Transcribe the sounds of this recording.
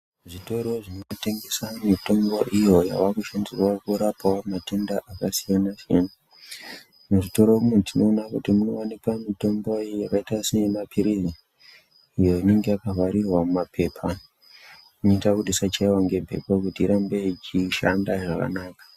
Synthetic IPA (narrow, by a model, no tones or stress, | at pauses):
ʐito̞ɾo̞ʐino̞te̞ŋɡe̞samito̞mbo̞ʔijo̞ja̰wakuʃandirwakuɾapawamate̞ndaʔakasijanasijana | muʐito̞ɾoumetino̞ːnakutimuno̞̰ʋanepamito̞mbo̞jakaitasinemapʰiɾiziː | jo̞ine̞ŋɡe̞akaɦaɾirwamumapʰe̞ːpʰa | unoitakuɗisat͡ʃaiwaŋɡe̞mpe̞̰pakutiːɾambe̞it͡ʃiʃandaʐaka̰naːkḁ